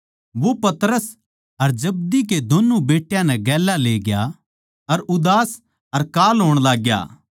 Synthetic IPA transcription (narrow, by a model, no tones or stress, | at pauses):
ʋopɐt̪ɾəs | ɐɾd͡ʒɐb̚d̪ik̬ed̪oːnːubeːʈjãnɛ̃ɡɛːlaleːɡja̰ | ɐɾʊd̪aːs | ɐɾkaːlɦoːɽ̃laːɡja̰ː